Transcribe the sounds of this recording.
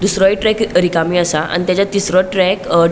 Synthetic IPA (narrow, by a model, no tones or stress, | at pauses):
d̪usɾɔiʈɾɛkɾikamiasaʔa̰ñit̪jat͡ɕat̪isɾɔʈɾɛk